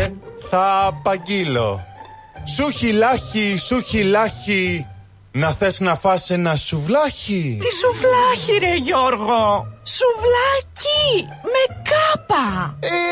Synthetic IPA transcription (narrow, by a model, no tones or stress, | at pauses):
θɐːpɐɲɟilo | suçilɐçisuçilɐçi | nɐθe̞snɐfɐsenɐsuvlɐçit̪isuvlɐçiɾeʝoɾɣosuvlɐcime̞kɐpɐ